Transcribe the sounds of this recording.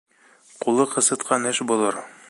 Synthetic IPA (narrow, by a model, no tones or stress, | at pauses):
qulˠɤqɤ̆sɤ̆t̪qʰɑnɘʃbulˠɤɾ